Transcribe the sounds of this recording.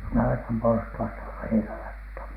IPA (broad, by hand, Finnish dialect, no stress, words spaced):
nɑʋetɑm porstuɑstɑ tull̥e̥ː heinælɑtˑh̆on